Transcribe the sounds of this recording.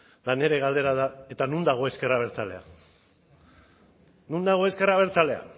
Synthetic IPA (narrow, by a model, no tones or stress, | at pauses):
lane̞ɾe̞ɣald̪e̞ɾað̞ae̞t̪anund̪aɣ̞o̞e̞skeraβ̞e̞ɾt͡sale̞̰a̰ | nund̪aɣ̞o̞e̞ske̞raβ̞e̞ɾt͡sale̞a̰